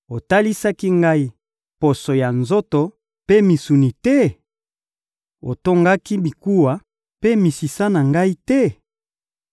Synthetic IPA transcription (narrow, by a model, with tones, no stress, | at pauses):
o˨ta˦li˦sa˦ki˦ŋɡa˦i˦ | po˨so˨ja˨nzo˦to˨ | pe˦mi˨su˨ni˨tɛ˦ | o̰˨to˦ŋɡa˦ki˦bi˨ku˦wa˨ | pe˦mi˨si˨sa˦na˨ŋɡa˦i˦tɛ˦